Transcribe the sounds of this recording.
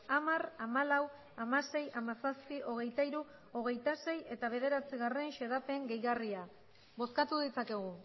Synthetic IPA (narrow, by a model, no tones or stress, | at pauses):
amaramalaw | amase̞jamasaspio̞ɣ̞e̞jt̪aiɾu | o̞ɣ̞e̞jt̪ase̞je̞t̪aβ̞e̞ð̞e̞ɾat͡siɣare̞nʃe̞ðape̞ŋɡe̞jɣaria | bo̞skat̪uðit͡sake̞ɣ̞u